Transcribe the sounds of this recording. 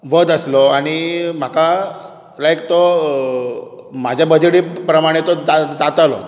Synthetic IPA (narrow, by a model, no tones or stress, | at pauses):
ʋəd̪əsloaɽ̃im̤aka | lajkt̪o | mad͡ʑʱjabəd͡ʑɽipɾəmaɽ̃et̪od͡zad͡zat̪alo̰